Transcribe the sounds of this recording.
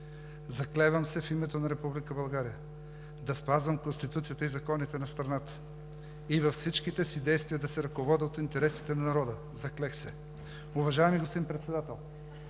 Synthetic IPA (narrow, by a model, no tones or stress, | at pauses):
zɐklɛvəmsɛfimɛt̪onɐɾɛpublikəbɐlˠɡaɾijə | d̪ɐspazvɐmkonst̪it̪ut̪sijət̪əizɐkɔnit̪ɛnɐst̪ɾɐnat̪ə̥ | ivɐfsit͡ʃkit̪ɛsid̪ɛjst̪vijəd̪ɐsɛɾɐkovɔd̪əot̪int̪ɛɾɛsi̥t̪ɛnɐnɐɾɔd̪ə | zɐklɛxsɛ | ʊvɐʒaɛmiɡosimpɾɛt̪sɛd̪at̪ɛlˠ